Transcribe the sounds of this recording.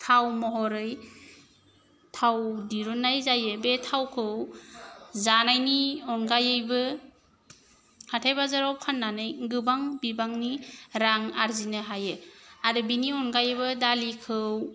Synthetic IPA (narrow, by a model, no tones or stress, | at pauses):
tʰawmɔɦɔɾɯj | tʰawdiɾunːajzajɯbetʰawkʰɯw | zanajniɔnɡajɯjbɯ | hʰatʰajbazaɾawkʰanːanɯjɡɯbaŋbibaŋniɾaŋaɾzinɯɦajɯaɾɯbiniɔnɡajɯjbɯdalikʰɯw